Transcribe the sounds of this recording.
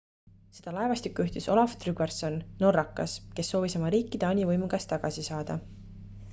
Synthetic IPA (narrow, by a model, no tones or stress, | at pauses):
se̞d̪̥ɑlɑevɑst̪ikːˑuyht̪iso̞lɑft̪ryɡ̥erso̞nno̞rːɑkːˑɑske̞sːo̞ːviso̞mɑɾiːkːˑid̪̥eɑnʲivɤjmuɡ̥ɑst̪ːɑɡ̥ɑsisɑːd̪̥ɑ